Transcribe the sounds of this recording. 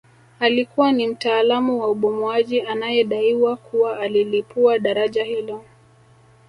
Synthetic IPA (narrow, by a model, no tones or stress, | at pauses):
alikuwanim̩taːlamuwauɓɔmuaʄianajɛɗaiwakuwaːlilipuaɗaɾaʄahilɔ